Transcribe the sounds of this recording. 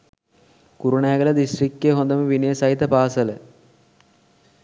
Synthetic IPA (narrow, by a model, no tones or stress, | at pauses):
kuɾuɳaːɡɐlɐd̪isʈrikːeɦond̪ɐməʋinɐjəsɐɦit̪ːɐpaːsɐlə